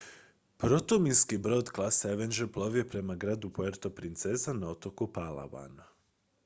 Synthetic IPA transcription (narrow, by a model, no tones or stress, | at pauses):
pɾo̞t̪ominskibɾo̞d̪klˠaseʋend͡ʒeplˠo̞ʋjepɾe̞maɡɾaːd̪upoeɾt̪o̞pɾint̪sezanao̞t̪okupala̰ʋa̰na